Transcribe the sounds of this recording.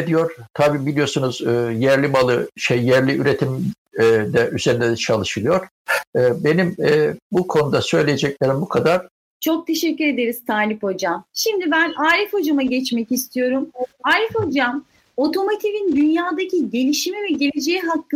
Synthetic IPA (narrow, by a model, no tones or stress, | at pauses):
d̪ijo̞ɾ̥t̪ʰabiːbilʲijo̞ɾsunuz̥ɯːjæɾlʲimalˠɯʃejːæɾlʲiʔyɾet̪ʰimː | d̪ɛʔyze̞ɾind̪ɛd̪ɛt͡ʃʰalˠɯʃɯlˠɯjo̞ɾ̥ | ɯːbe̞nimɛːbukʰo̞nud̪asø̞jlʲejed͡ʒɛclʲeɾimbukʰad̪aɾ̥ | t͡ʃʰo̞k̚t̪ʰe̞ʃɛcːyɾe̞d̪e̞ɾiz̥t̪aːlʲipo̞d͡ʒamʃimd̪ibænaːɾʲifo̞d͡ʒamaɟɛt͡ʃmɛcist̪ʰijo̞ɾumaːɾʲifo̞d͡ʒam | o̞t̪ʰo̞mot̪ʰivind̪ynjaːd̪acʰiɟe̞lʲiʃimivɛɟeled͡ʒejiɦakː